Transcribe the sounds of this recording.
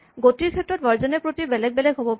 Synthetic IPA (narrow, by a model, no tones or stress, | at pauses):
ɡotiɹkʰɛtɹɔt̚bʱaɹzɔnɛpɹotibɛlɛɡ̚bɛlɛɡɦobɔp